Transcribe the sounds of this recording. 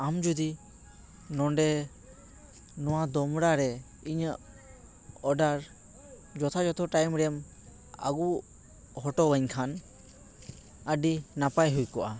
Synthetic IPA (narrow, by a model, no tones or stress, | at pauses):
amd͡ʒud̪i | nɔɳɖɛ | nɔwad̪ɔmɽaɾɛ | iɲəʔ | ɔɖaɾ | d͡ʒɔt̪ʰad͡ʒɔt̪ʰɔʈajmɾɛm | a̰ɡu | hɔʈɔwəɲkʰan | əɖinapajɦujkɔʔa